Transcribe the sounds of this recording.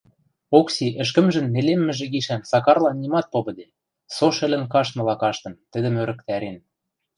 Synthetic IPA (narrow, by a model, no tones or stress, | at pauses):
oksiʔə̆ʃ̬kə̆mʒə̆nːelemːɘ̆ʒĕɡiʃænsɑkɑrlɑnːimɑt̪̚poβɤ̆d̪e | soʃɘ̆lɘ̆nkɑʃmɤ̆lɑkɑʃt̪ɤ̆nt̪ə̆d̪ə̆møɾə̆k̚t̪æɾen